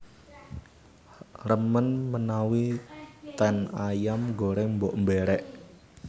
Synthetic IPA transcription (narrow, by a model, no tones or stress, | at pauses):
rəmənmənawit̪ɛnajamɡoɾɛmbɔʔmbeɾɛʔ